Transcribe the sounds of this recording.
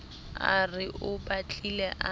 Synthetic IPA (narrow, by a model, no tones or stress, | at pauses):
arɪʔʊbat͡ɬʼilɛʔa